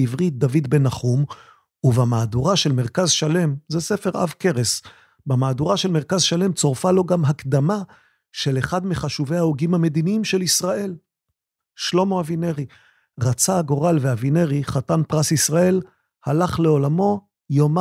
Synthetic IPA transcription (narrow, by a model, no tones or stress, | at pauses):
ivʁit̪̚d̪avid̪benaχum | uvamaːduʁaʃe̞lme̞ʁkazʃale̞mzesefe̞ʁa̰vke̞ʁes | bamaːduʁaʃe̞lmeʁkazʃale̞mt͡so̞ʁfalo̞ɡamɦakd̪ama | ʃe̞leχad̪meχaʃuve̞aoɡimhame̞d̪iniimʃe̞lisʁae̞l | ʃlo̞moavine̞ʁi | ʁat͡saːɡo̞ʁalveavine̞ʁiχatanpʁasisʁae̞l | halaχle̞o̞lamo̞ | jom